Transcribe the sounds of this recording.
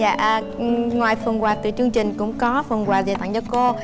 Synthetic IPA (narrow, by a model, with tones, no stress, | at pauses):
a̰ː˧˨ʔəː˨˩ | ŋwaː˨˩jfə˨˩nkwaː˨˩t̪ɨ̰˨˩t͡ɕɨ˧əŋt͡ɕï˨˩ŋ̟kʊ̰˧˥ŋ͡mkɔ˨˦fə˨˩nkwaː˨˩ze˨˩t̪a̰˧˨ŋt͡ɕɔ˧ko˧